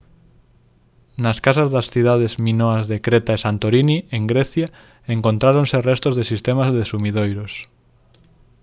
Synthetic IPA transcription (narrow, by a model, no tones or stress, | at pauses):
nɐskasazðasθiðaðezmĩnoazðekɾet̪aesant̪oɾinieŋɡɾɛθja | eŋkont̪ɾaɾonserɛst̪ozðesist̪emazðesumiðojɾos